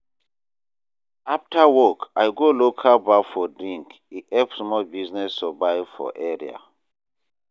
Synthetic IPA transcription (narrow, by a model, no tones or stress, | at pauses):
aftʰawɔkajɡolokʰalbafɔdɹĩŋk | iʔɛpsmɔlbiznɛstɔbajfɔ̰ʔɛɹḭa̰